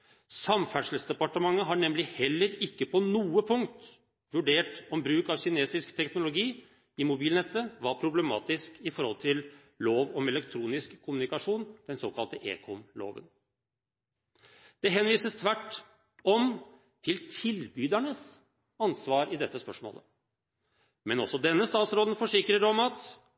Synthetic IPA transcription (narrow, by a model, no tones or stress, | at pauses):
sɑmfæʂəl̩sd̪ɛpɑʈəmɑŋːəɦɑɳɛmlɪhɛlːəɾɪkːəpʰɔnuːəpʰʊŋt̪ | ʋʉɖeːʈɔmbɾʉːkɑʋçɪneːsɪskt̪ʰɛknʊlʊɡiː | ɪmʊbiːlnɛt̪ːəʋɑɾpʰɾʊblɛmɑ̰ːt̪ɪskɪfɔɾhɔlt̪ʰɪl | loːʋɔmɛlɛkt̪ʰɾuːnɪskʰːʊmʉnɪkɑʂuːnd̪ɛnsoːkɑlt̪əʔḛːkʰɔmlo̰ːʋə̰n | d̪̥ɛɦɛnʋiːsəst̪ʰʋæʈː | ɔm | t̪ʰɪlt̪ʰɪlbyːd̪æɳəs | ɑnsʋɑːɾɪd̪ɛt̪ːəspœʂmo̰ːlə̰ | mɛnɔsːɔd̪ɛnːəst̪ɑːt̪sɾoːd̪n̩fɔʂɪkɾəɾɔmɑt̪